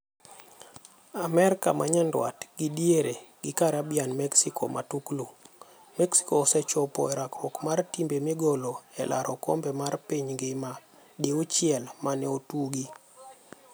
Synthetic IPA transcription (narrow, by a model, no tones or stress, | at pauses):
amɛɾka̰mʔa̰ɲɛndwa̰tɡ̥idjeɾeɡɪkaɾabjanmɛksikʰo̰mʔatuklu | mɛksi̥koːsɛt͡ʃɔpɔ̰ɛɾakɔkmartimbemiɡoloɛlʔaɾʔɔkɔ̰mbɛmarpiɲɡema | deut͡ʃɪɛlmanɛotuɡi